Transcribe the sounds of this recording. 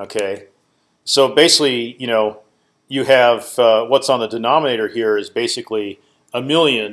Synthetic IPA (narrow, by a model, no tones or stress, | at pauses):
oʊkʰeɪ | soʊbeɪsɪ̥klijɨñoʊ | jɨɨv̥ʌwʌtsn̩ðɨdɨnɑməneɪɾə˞hiɹɨzbeɪsɨkli | əmɪlˠjɨ̃n